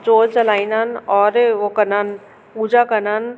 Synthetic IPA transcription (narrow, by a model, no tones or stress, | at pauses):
d͡ʒoːɾt͡ɕɐlaːĩnaːnɔːɾʋokɐnaːn | puːd͡ʒakɐnaːn